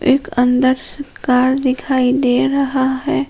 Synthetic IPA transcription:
ʔeːkə̃nd̪əɾsəɾkaːɾd̪ɪkʰaːid̪eːɾɐɦaɦɛː

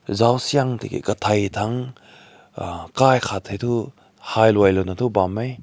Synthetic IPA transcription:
zawsijaŋtʰḭkḭkɐtʰajtʰaŋ | kajkʰatʰajtʰu | hajlwajlonatʰubamej

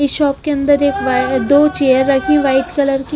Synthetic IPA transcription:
ɪsʃɔːpkeɐ̃nd̪əɾeːkʋd̪oːt͡ʃeːjəɾːɐkʰẽʋaːɪʈ̪kɐləɾki

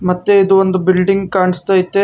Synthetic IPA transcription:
mɐt̪ːeid̪uond̪ubilɖiŋɡkaːɳist̪aːjit̪ːe

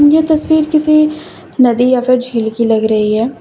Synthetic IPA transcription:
jeːt̪əsʋiːɾkɪsi | nəd̪ijapʰɪɾd͡ʒʱiːlkiləɡɾəɦiɦɛː

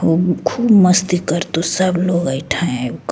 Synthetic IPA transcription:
ɦokʰuːbməst̪ikəɾt̪osəbloːɡəɪʈʰaẽuk

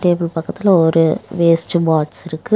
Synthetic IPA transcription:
ʈeːbɪlpɐkːɐt̪ːɪlɐɔɾɯʋeːsʈɯbaːʈsɪɾɯkːɯ

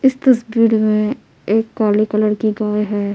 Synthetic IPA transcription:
ɪst̪ɐsbiːɾmẽ | eːkːaːɾlikələɾkiɡaːjɦɛː

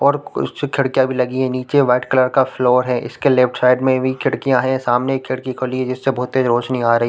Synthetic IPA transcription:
ɔːɾʊ̰kʰɪɽkijãbʱilɐɡiɦɛ̃niːt͡ʃeʋaːʈkələɾkafloːɾɦɛʔɪ̰skelɪfʈsaːɪɖmẽbʱikʰɪɽkijãɦɛ̃saːmnekʰːɪɽkikʰoːliɛd͡ʒɪsːebʊɦʊt̪eɾoːt͡ʃnĩaːɾɐɦiː

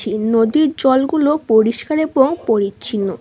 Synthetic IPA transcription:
inod̪iɾd͡ʑɔlɡulopoɾiʃkaɾeboŋpoɾit͡ɕinːo

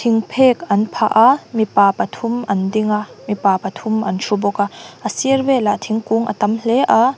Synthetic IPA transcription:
t̪ʰiŋpʰɛːkɐnpʰa̰ʔamipaːpɐt̪ʰʊmɐndiŋaʔmipaːpɐt̪ʰʊmʔɐnʂubɔkaʔəsiərvɛlat̪ʰiŋkuŋʔɐ̰t̪ɐmlɛʔa

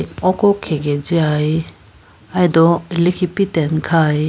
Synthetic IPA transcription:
ɔkɔkʰɛɡɛd͡ʒiaj | ajd̪ɔlikʰipitɛnkʰaj

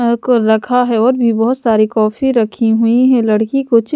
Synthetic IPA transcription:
koɾɐkʰaɦɛɔːɾbʱibɔɦʊt̪saːɾikɔːfiɾɐkʰiɦuiɦɛ̃lɐɽkikot͡ʃ

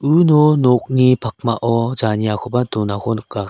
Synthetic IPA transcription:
ɯnɔnɔk̚ɲipʰak̚maʔɔd͡ʒaɲiakʰɔbatɔnakɔnkːa

